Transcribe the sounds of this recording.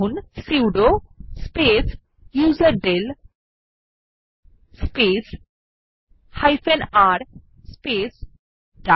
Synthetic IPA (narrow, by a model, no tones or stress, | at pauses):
unsiwɖospes | juːzɐɾɖel | spes | hajfʰẽnaɾ | spes | ɖa